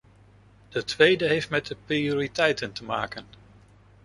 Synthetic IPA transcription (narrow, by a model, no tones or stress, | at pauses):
d̥ətʋejdəɦejftmɛt̚dəprioːritɛjtəntəma̰ːkən